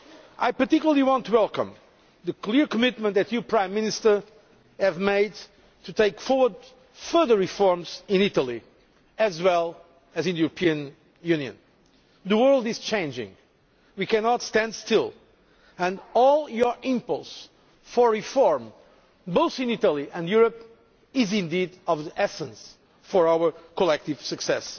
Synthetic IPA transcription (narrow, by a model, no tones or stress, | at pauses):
ʔajpə˞tikjul̩ˠəlˠiwɑ̃ntuwɛlˠkə̰̃m | ðɨkliɹkəmɪt̚mə̃nt̪ðɨtɨpʰɹãɪ̃mːɪ̃nɨstə˞ | ɨvmeɪd̚ | tʰɨteɪkfɔɹwə˞d | fɜ˞ðə˞ɹifɔɹmzɪ̃nitəlˠi | ɨzwɛlˠ | ɨzɨ̃nðɨjuɹəpʰiɨ̃n | jʉ̃njɨ̰̃n | ðəwɜ˞lˠdɨz̥t͡ʃʰẽɪ̃nd͡ʒɪ̰̃ŋ | wikænɑtstæ̃ndstɪlˠ | ɨ̃ndɔlˠjɔ˞ʔɪ̃mpɔlˠs | fɔ˞ɹifɔɹm | boʊθɨ̃nitəlˠiʔɨ̃njuɹəp | ɪzɪ̃nd̪idʌvðiʔɛsə̃ns | fɔ˞awə˞kɔlɛk̚tiv̥sɨksɛs